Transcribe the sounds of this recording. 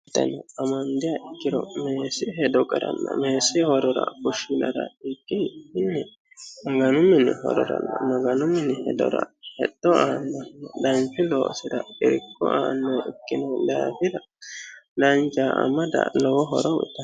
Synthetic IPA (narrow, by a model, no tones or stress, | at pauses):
ɪt̪ːɐ̰nɔɐmɐnd̪ɪjaʔɪkːɪɾɔ̰meːsɪɦɛd̪ɔkʼɐɾɐ̰nːɐ̰meːsɪhɔɾɔɾɐ̰kʊʃɪnɐɾɐ̰ɪkʼːɪɪnːɪ | mɐɡɐnʊmːɪnːɪhɔ̰ɾɔɾɐ̰nːɐmɐɡɐnʊmːɪnːɪhɛd̪ɔ̰ɾɐ̰hɛd̪ːɔaːnːɐhnːɐd̪ɐnt͡ʃɪlo̰ːsɪd̪ɐɪɾɪkːɔ̰ʔa̰ːnːɔjɪkːɪnɔd̪aːfɪd̪ɐ | d̪ɐnt͡ʃaʔɐ̰mɐd̪ɐ̰lɔwɔɦɔ̰ɾɔwɪt̪ːɐ